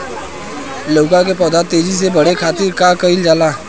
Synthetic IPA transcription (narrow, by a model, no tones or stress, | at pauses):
loːkãk̬epɔːd̪at̪eːd͡ʒis̬ebəɽekʰaːt̪ɪɾkakəɪld͡ʒaːlaː